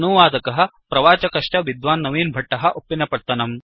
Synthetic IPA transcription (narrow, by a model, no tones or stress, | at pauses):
nuʋaːd̪ɐkɐɦɐ̆ | pɾɐʋaːt͡ʃɐkɐʂʈɐʋid̪ʋaːnːɐʋiːnbʱɐʈːɐɦɐ̆ʔopːinːɐpɐɽt̪ɐnɐm